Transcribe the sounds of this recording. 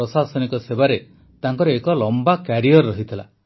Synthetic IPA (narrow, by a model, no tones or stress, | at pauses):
ɔsasɔnikɔsebaɾe | t̪aŋkɔɾɔekɔlɔmbakaɾiɔɾːɔɦit̪ʰila̰